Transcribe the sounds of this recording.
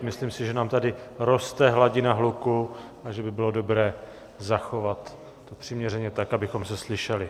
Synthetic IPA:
mɪsliːmsɪʒɛnaːmt̪adɪɾo̞st̪ɛɦlaɟɪnaɦluku | aʒɛbɪbɪlodo̞bɾɛː | zaxo̞vat̪ː | opr̝̥ɪmɲɛrɛɲɛt̪akʔabɪxo̞msɛslɪʃɛlɪ

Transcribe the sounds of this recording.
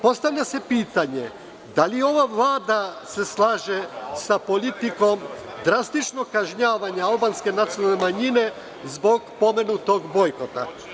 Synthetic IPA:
po̞st̪aʋʎʲase̞piːt̪aɲe̞ | d̪alio̞ʋaʋlˠaːd̪ase̞slˠaːʒesapo̞lit̪iko̞m | d̪ɾast̪it͡ʃnokaʒɲaːʋaɲaalˠbanske̞nat̪sionalnemaɲine̞ | zbo̞ɡpo̞me̞nut̪o̞ɡbo̞jko̞t̪a̰

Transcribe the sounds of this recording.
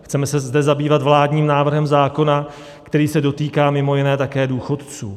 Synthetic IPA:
xt͡sɛmɛsɛzdɛzabiːvat̪vlaːdɲiːmnaːvr̩ɦɛmzaːko̞na | kt̪ɛɾiːsɛdo̞t̪iːkaːmɪmo̞jɪnɛːt̪akɛːduːxo̞t̪t͡suː

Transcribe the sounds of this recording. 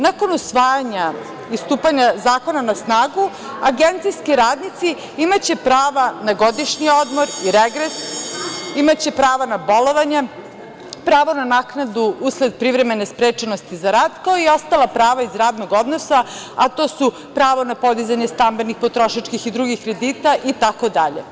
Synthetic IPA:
nako̞nusʋaːjaɲa | ist̪uːpaɲazaːko̞nanasnaːɡu | aɡent̪sijskiɾaːd̪nit̪si | imat͡ɕe̞pɾaːʋanaɡo̞d̪iʃɲio̞d̪mo̞ɾiɾeɡɾes | imat͡ɕe̞pɾaːʋanabo̞lo̞ʋaɲe | pɾaːʋonanaknad̪uusle̞d̪̚pɾiʋɾeme̞nespɾeːt͡ʃeno̞st̪izaɾaːd̪kaoio̞st̪alˠapɾaːʋaizɾaːd̪noɡo̞d̪nosa | at̪o̞ːsu | pɾaːʋo̞napo̞d̪izaɲest̪ambe̞nixpo̞t̪ɾo̞ʃat͡ʃkixid̪ɾuɡixkɾe̞d̪iːt̪aʔit̪ako̞d̪aʎḛ

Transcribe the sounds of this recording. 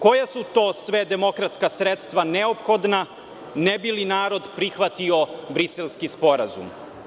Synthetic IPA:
ko̞jasut̪o̞ːsʋe̞d̪e̞mo̞kɾat̪skasɾet̪st̪ʋaneopxod̪na | nebilinaːɾo̞d̪pɾixʋat̪io̞bɾiselˠskispo̞ɾa̰zṵm

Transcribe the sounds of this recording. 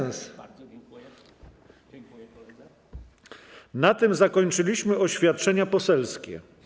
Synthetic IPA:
s | nat̪ɘmzakɔɲt͡ʂɘlʲiɕmɘɔɕfʲjat̪̚t͡ʂɛɲapɔsɛlskʲɛ̰

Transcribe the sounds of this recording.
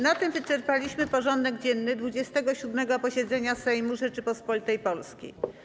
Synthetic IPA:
nat̪ɘmvɘt͡ʂɛɾpalʲiɕmɘpɔʐɔnd̪ɛɡd͡ʑɛnːɘd̪vud͡ʑɛst̪ɛɡɔɕud̪mɛɡɔpɔɕɛd̪zɛɲasɛjmuʐɛt͡ʂɘpɔspɔlʲit̪ɛjpɔlskʲḭ

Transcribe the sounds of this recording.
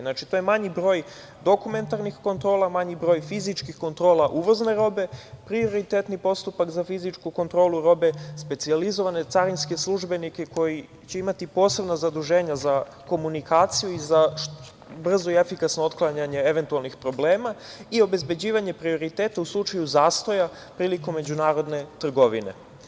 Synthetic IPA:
nat͡ʃit̪ojemaɲibɾo̞ːj | d̪o̞kume̞nt̪aɾnixko̞nt̪ɾo̞ːlˠamaɲibɾo̞ːjfizit͡ʃkixko̞nt̪ɾo̞ːlˠaʔuʋo̞zne̞ɾo̞be̞pɾio̞ɾit̪e̞t̪nipo̞st̪upakzafizit͡ʃkuko̞nt̪ɾo̞ːluɾo̞be̞spe̞t̪sializo̞ʋane̞t̪saɾinske̞slˠuʒbe̞nike̞ko̞ji | t͡ɕe̞imat̪ipo̞ːse̞bnazad̪uʒe̞ːɲaza | ko̞munikaːt̪sijuiza | br̩zo̞iefikasnoot̪klˠaɲaɲe̞e̞ʋe̞nt̪ualˠnixpɾo̞ble̞ːmaio̞be̞zbe̞d͡ʑiːʋaɲe̞pɾio̞ɾit̪eːt̪auslˠut͡ʃajuzaːst̪o̞ja | pɾiːliko̞mːe̞d͡ʑunaːɾo̞d̪ne̞t̪r̩ɡo̞ʋḭne̞̰

